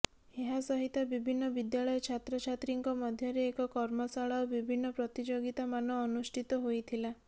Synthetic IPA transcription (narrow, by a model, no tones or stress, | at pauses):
eɦasɔɦit̪abibʱinːɔbid̪jaɭɔjɔt͡ʃʰat̪ɾɔt͡ʃʰat̪ɾiŋkɔmɔd̪ʱjɔɾeːkɔkɔɾmɔsaɭaobibʱinːɔpɾɔt̪id͡ʒoɡit̪amanɔːnusʈʰit̪ɔɦojt̪ʰila